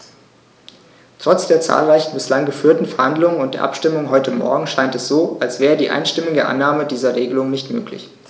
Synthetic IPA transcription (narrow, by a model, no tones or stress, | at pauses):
tʁ̥ɔt͡sd̥eːɐt͡sa̰ːlʁaɪçn̩bɪslaŋɡəfyːɐtn̩fɛɐhandlʊŋənʊnt̚d̥eːɐʔapʃtɪmʊŋɦɔʏtʰəmɔ̰ɐɡŋ̩ʃaɪntɛsz̥oːʔalsv̥ɛːʁədiːʔa̰ɪnʃtɪmɪɡəʔa̰nːaːmədiːzɐʁeːɡəlʊŋnɪçtmø̰ːklɪ̰ç